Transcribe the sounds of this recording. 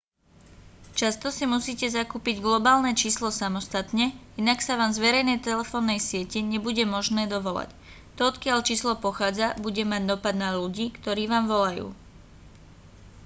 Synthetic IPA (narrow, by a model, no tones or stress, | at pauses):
t͡ʃast̪ɔsimusiːcɛzakuːpiɟɡlɔbaːlnɛt͡ʃiːslɔsamɔst̪at̪ɲɛinaksaʋaːmzʋɛɾɛjnɛjt̪ɛlɛfɔːnːɛjsɪɛcɛɲɛbuɟɛmɔʒnɛːd̪ɔʋɔla̰c | t̪ɔɔt̪kɪaʎt͡ʃiːslɔpɔxaːd͡zabuɟɛmaɟd̪ɔpad̪naluɟiːkt̪ɔɾiːʋaːmʋɔlajṵː